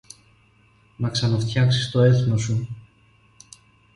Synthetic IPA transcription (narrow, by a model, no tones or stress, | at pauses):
nɐksɐnɐft̪çɐksi̥st̪o̞e̞θno̞su